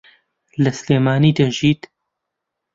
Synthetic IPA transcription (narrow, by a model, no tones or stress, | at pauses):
lɐsleːmaːniːd̪ɐʒiːt̪